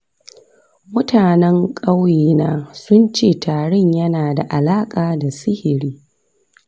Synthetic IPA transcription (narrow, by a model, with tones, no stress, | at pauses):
mʊ˦tʰaː˨nɛ˦ŋkʼa˦wjeː˦naː˦sʊ˦nt͡ʃeː˦˨tʰaː˨ɽɪ˦˨ɲjɐ˦naː˨da˨ʔa˨laː˦kʼaː˨da˨sɪ˦hɪ˨ɽiː˦